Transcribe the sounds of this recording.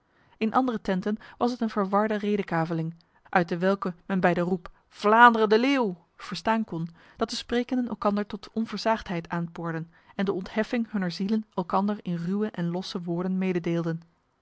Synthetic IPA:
ɪnʔɑ̰ndərətɛntənʋɑsətənvəɹʋɑɹdərejdəkaːvəlɪŋ | ʔœɥt̚dəʋɛlˠkəmɛnbɛjdərup | v̥laːndərəndəleːw | v̥əɹstaːnkɔn | d̥ɑt̚dəsprejkəndənɛ̰lˠkɑndəɹtɔtɔnvəɹzaːχtɦɛjtʰaːnpʊːɹdən | ɛndəɔntɦɛfɪŋɦɵnəɹzilənɛlˠkɑndəɹɪnrywəʔɛnlɔsəʋʊːɹdənmeːjdədeːlˠdən

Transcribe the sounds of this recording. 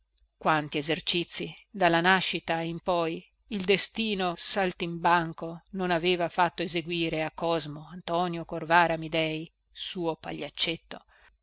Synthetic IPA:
kwant̪iezert͡ʃit̪sːid̪alːanaʃːit̪aimpɔj | ild̪est̪iːnosalt̪imbaŋkononaveːvafat̪ːoezeɡwiːɾeakːɔzmoant̪ɔːnjokorvaːɾamid̪ɛj | suːopa̰ʎːat͡ʃːet̪ːo̰

